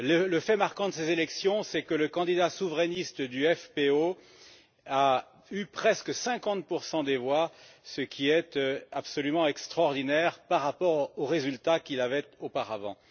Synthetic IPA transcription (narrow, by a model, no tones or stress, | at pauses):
lələfɛmaʁkɑ̃d̪əsezelɛksjɔ̃sɛkələkɑ̃d̪id̪asuvʁɛnist̪əd̪yɛfpeo | a | ypχɛskəsɛ̃kɑ̃t̪̚puʁsɑ̃d̪evwasəkʲʰiɛt̪øapsɔlymɑ̃ɛkst̪χɔʁd̪inɛʁpaʁːapɔʁoʁezylt̪akilavɛt̪opaʁavɑ̰̃